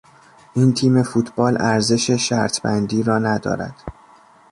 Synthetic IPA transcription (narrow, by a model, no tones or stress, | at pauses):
ʔiːnt̪ʰiːme̞fut̪ʰb̥ɒːlʔæɾze̞ʃeʃæ̰ɾt̪ʰbænd̪iːɾɒːnæd̪ɒ̰ːɾæ̰d̪̥